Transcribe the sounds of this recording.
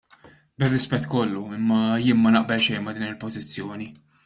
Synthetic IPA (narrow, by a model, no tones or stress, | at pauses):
bɪrːɪspɛt̪ːkɔlːuɪmːɐjɪːnmɐnɐʔbɛlʃɛjnmɐd̪iːnɪlpɔzɪt͡sːjɔːni